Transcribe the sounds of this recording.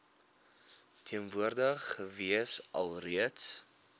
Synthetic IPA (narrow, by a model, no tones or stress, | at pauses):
tʰiənvuərdəχəviəsɐ̰lˠriəts